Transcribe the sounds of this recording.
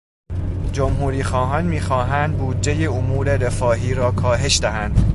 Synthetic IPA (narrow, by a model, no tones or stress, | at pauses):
d͡ʒomhuːɾiːxɒːɦɒːnmiːxɒːɦænd̪̚buːd̪d͡ʒe̞jeomuːɾe̞ɾe̞fɒːɦiːɾɒːkʰɒːɦe̞ʃd̪æɦænd̪̥